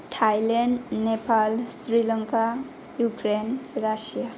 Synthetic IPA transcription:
ʈʰajlenɖnepalsɾilʌŋka | jukɾenɾasija

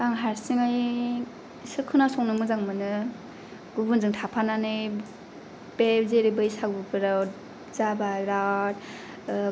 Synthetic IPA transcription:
aŋɦaɾsiŋaj | sɯkʰːɯnasɔŋnɯmɯzaŋmɯnɯ | ɡubunzɯŋtʰapʰananɯj | pebzeɾibɯjsak̚bɯɡɯɾaw | zabaɾat̚

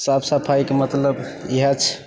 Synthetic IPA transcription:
sabsəpʰajkemət̪ləb | iɦat͡ʃʰ

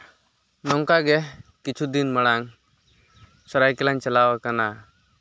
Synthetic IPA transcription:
nɔŋkaɡɛkit͡ʃʰud̪inməɽ̃aŋ | sɔɾajkɛlaɲt͡ʃalawakana

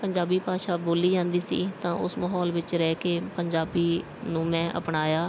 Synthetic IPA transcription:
pəɲd͡ʒaːbiːpaːʃaːboːliːd͡ʒãːnd̪iːsḭːt̪ãːʔʊsməːɦɔːlʋɪt͡ʃɾɛːkeːpəɲd͡ʒaːbiː | nũːmɛ̃ːʔə̰pɳaːjaː

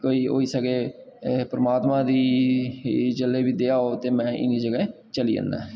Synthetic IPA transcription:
koːiːo̰ːiːsəɡeːpɾəmaːt̪mãːd̪iː | d͡ʒəlːeːbiːd̪eːaːoːt̪eːmɛ̃ːʔɪ̰niːd͡ʒəɡɛ | t͡ʃəlḭːə̰̃nd̪a̰ː

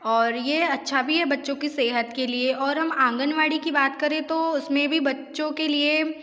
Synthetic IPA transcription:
ɔːɾjeɐtːʃʰabʱiɦɛbɐtːʃõkiseːɦət̪kelieʔɔːɾɦɐmãːŋɡənʋaːɽikibaːt̪kɐɾẽt̪oʊsmẽbʱibɐtːʃõkelie

